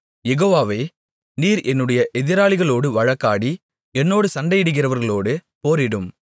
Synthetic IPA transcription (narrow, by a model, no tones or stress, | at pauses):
jɛɣoːʋaːʋɐː | niːɾɛnːɯɽɐjɐʔɛðɪɾaːɭɪɣɐɭoːɽɯʋɐɻɐkːaːɽi | ɛnːoːɽɯsɐɳɖɐjɪɽɯɣɪɾɐʋɐɾɣɐɭoːɽɯpoːɾɪɽɯm